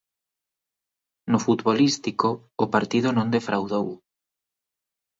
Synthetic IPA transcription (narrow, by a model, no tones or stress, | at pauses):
nʊfut̪βolist̪ikoː | paɾt̪iðʊnõŋd̪efɾʔawðow